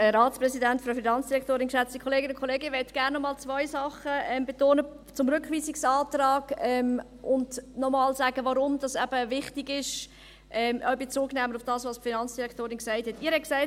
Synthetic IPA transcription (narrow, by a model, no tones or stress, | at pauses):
ɛɾɑːtt͡sprɛsidɛntfɾɑfinɑnt͡sd̥iɾɛkʰtoːɾɪnkʃɛt͡stikʰχoleːɡənʊnkʰoleːɡɪʋɛtɡ̥æɾnːɔmɑːlt͡svɔʏsɑχəɛmbetoːnə | t͡sʊmɾʏkχʋiːsɪksɑːtrɑːɡɛm | ʔʊndnɔmɑlzæːɡ̥əvaɾʊmd̥ɑsɛb̥əvɪχtiɡɪʃ | ʔɛmœʏbet͡suːɡnɛːməɾʊfd̥ɑːsvɑsfinɑnt͡sd̥iɾɛktoːɾɪnksæɪthɛtɪːəɾhɛt̚ksæɪt